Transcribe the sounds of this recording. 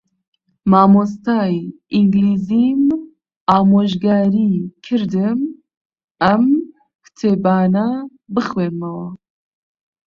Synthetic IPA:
maːmos̬t̪aːjiŋɡliːzim | aːmoːʒɡaːɾikʰɨɾd̪ɨm | ɐm | kʰt̪ʰebaːna | bɨxweɾmɐwa

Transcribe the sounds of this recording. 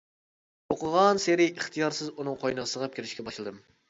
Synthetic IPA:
oqəʁɑnseɾiiχt̪ʰijɑɾsɨzunɨŋqʰojnəʁəsəʁɑp̚kʲʰeɾɪʃkʲɛbɑʃlˠɨd̪ɨm

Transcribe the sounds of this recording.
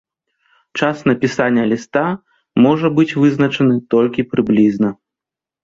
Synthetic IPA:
t͡ʂasnɐpʲisanʲːɐlʲist̪a | mɔʐɐbɨt͡sʲvɨznɐt͡ʂɐnɨt̪ɔlʲkʲipɾɨblʲiznɐ

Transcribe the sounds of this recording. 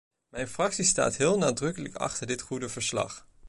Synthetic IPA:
mɛjnfrɑksista̰ːtɦɪːlˠnaːdrɵkələkɑ̰χtəɹdɪtχudəvəɹslɑ̰χ

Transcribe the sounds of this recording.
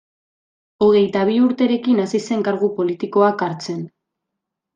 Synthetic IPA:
o̞ɣ̞e̞jt̪aβ̞iuɾt̪e̞ɾe̞kinasise̞ŋkaɾɣupo̞lit̪iko̞akaɾt͡se̞n

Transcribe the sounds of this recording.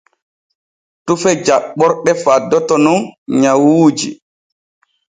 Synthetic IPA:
tufɛd͡ʒaɓːɔɾɗɛfadːɔtɔnunɲawuːd͡ʒi

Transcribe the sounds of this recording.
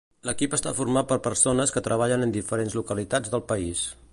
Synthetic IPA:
ləkipəst̪a̰furmat̪̚pəɾpərsonəskət̪ɾəβ̞aʎənənd̪ifəɾenzlukəlit̪ad͡zðəlˠpəis

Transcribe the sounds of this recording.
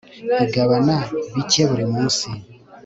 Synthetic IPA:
iɡaβanaβiceβuɾemuːsi

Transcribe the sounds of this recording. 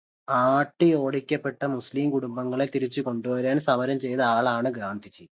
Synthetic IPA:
aːʈːɨjo̞ːɽikʲːɐpːeʈːɐmusliːmkuɽumbɐŋːɐɭet̪iɾit͡ɕːuko̞ɳɖuʋɐɾaːnsɐmɐɾɐmt͡ɕe̞jnɐaːɭaːɳɨɡaːnd̪ʱit͡ɕːi

